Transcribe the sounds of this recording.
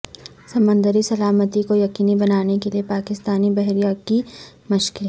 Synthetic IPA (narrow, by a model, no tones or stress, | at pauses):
sɐmə̃nd̪əɾisɐlaːmət̪ikojɐqiːnibɐnaːnekeliepaːkɪst̪aːnibɛɦɾijaki | mʊʃkɪl